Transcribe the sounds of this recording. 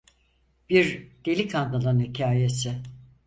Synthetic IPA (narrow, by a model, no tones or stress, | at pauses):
b̥iɾd̪̥elʲikʰand̪alˠanhicʰaːjesɪ